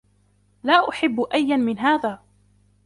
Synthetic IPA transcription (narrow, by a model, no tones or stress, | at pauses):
laːʔʊħɪbːʊʔajːanmɪnɦaːðaː